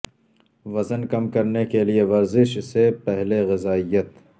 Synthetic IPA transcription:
ʋɐzənkɐmkɐɾnekelieʋɐɾzɪʃsepɛɦleɣɪzaːijət̪

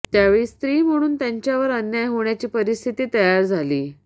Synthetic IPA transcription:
t̪jaʋeɭist̪ɾiːm̤əɽ̃uːnt̪jaɲt͡ɕjaʋəɾənjajɦoɳ̃jat͡ɕiːpəɾist̪ʰit̪iːt̪əjaɾd͡zʱaliː

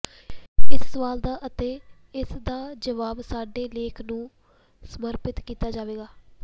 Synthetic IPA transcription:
ɪsːəʋaːld̪aːʔət̪eː | ɪsd̪aːd͡ʒəʋaːbsaːɖeːleːkʰnũː | səməɾpɪt̪kiːt̪aːd͡ʒaːʋeːɡaː

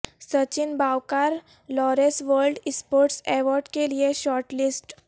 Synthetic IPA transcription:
sət͡ɕinbʱawkaɾ | lɔɾesʋəɾlɖispoːɾʈseʋɔɾɖkelieʃɔːɾʈlisʈ

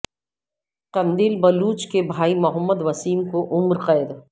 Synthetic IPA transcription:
qɐ̃nd̪iːlbɐluːt͡ʃkebʱaːimʊɦəmːəd̪ʋɐsiːnkoʔʊmɾqɛɪd̪

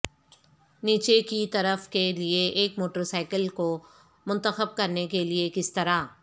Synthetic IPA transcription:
niːt͡ʃekit̪ɐɾəfkelieʔeːkmoːʈəɾsaːɪkəlko | mʊ̃nt̪əxəb̚kɐɾnekeliekɪst̪ɐɾaː

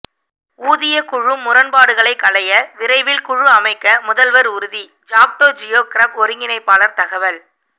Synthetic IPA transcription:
uːðɪjɐkʊɻɯmːʊɾɐnpaːɽɯɣɐɭɐɪkːɐɭɐjɐʋɪɾɐɪʋɪlkʊɻɯɐmɐɪkːɐmʊðɐlʋɐɾʊɾɯði | d͡ʒaːk̚ʈoːd͡ʒɪjoːkɪɾɐbɔɾɯŋɡɪnɐɪpːaːlɐɾt̪ɐɣɐʋɐl

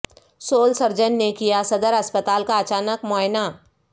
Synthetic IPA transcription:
soːlsɐɾd͡ʒənːekijasɐd̪əɾɐspət̪aːlkaɐt͡ʃaːnəkmɔːɪna

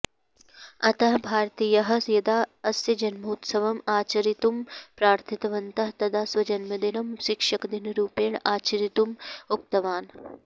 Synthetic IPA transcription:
ɐt̪ɐɦbʱaːɾt̪iːjɐɦɐ̆sjɐd̪aːɐsjɐd͡ʒɐnmuːt̪sɐʋɐmaːt͡ʃɐɾit̪umpɾaːɾt̪ʰit̪ɐʋɐnt̪ɐɦt̪ɐd̪aːsʋɐd͡ʒɐnmɐd̪inɐmʃɪkʂɐkd̪inɾuːpeːɳaːt͡ʃɐɾit̪umuk̚t̪ɐʋaːn

